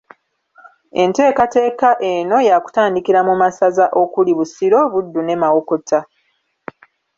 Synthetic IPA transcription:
e̞nte̞ːkate̞ːkaʔeno̞jaku̥taːndikiɾamumasazaʔo̞kuliβusiɾo̞βudːune̞mawokotʰa

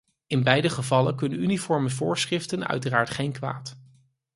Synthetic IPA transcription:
ɪnbɛjdəχəvɑləkɵnənynifɔɹməvʊːɹsχrɪftənœ̰ɥtəraːɹtχejnkʋa̰ːt

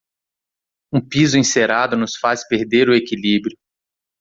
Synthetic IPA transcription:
ũpizʊĩseɾad̪ʊnʊsfaspeɾd̪eɾʊekilibɾjʊ

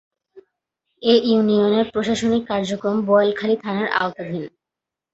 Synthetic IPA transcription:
ejunioneɾpɾoʃaʃonikːaɾd͡ʑokɾombɔjlkʰalit̪ʰanaɾʔa̰ot̪ad̪ʱin

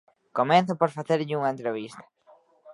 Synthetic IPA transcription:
komeθʊpoɾfaθeɾʎɪuŋɐẽnt̪ɾeβ̞ist̪ɐ̥

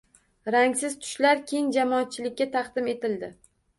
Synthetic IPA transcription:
ɾaŋsɪz̥t̪ʰʊ̥ʃlaɾkʲʰejɪnd͡ʒamɒːt̪̚t͡ʃʰɪlɪkʲːat̪ʰɑqd̪ɪme̞t̪ɪld̪ɪ

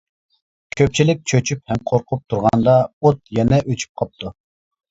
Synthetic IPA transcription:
kʲʰøp̚t͡ʃʰilɪk̚ʲt͡ʃʰøt͡ʃʰyphɛmqʰoɾqʰʊp̚t̪ʰuɾʁɑnd̪ɑot̪̚jɛnɛʔøt͡ʃʰy̥p̚qʰɑp̚t̪ʰu

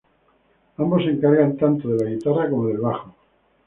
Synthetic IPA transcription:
ambose̞ŋkaɾɣant̪ant̪oðelaɣit̪arrakomoðe̞lβaχo

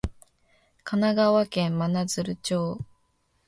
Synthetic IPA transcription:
kʰanaɡaβakẽ̞mmanazɨɾɯ̟t͡ɕoː

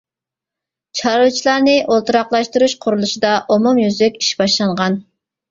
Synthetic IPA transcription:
t͡ʃʰɑɾut͡ʃʰilˠɑɾnɨʔolˠt̪ʰɨɾɑqlˠɑʃt̪uɾuʃqʰʊɾulˠuʃid̪ɑʔomumjyzykʲi̥ʃbɑʃlˠɑɴʁɑn

